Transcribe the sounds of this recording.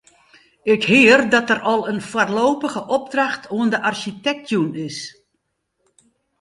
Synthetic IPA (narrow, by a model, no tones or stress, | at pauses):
ɪkhɪːərdɔtərɔlˠənfwarloːpəɣəʔɔb̚draxtʰoəndəʔarʃitɛk̚tʰjunɪs